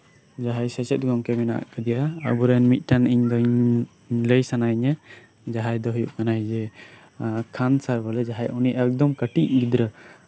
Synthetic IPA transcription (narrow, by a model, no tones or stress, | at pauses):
d͡ʒaɦajsɛsɛt̪̚ˀɡɔŋkɛmɛnaʔa̰ʔkad̪ɛjaə̰buɾɛnmit̪̚ˀʈaniɲd̪ɔiɲ | ləjsanajɲə | d͡ʒaɦajd̪ɔɦujuʔkanajd͡ʒɛ | kʰansaɾbɔlɛd͡ʒaɦajuniʔɛk̚d̪ɔmkəʈiʔ̚ɡid̪ɾə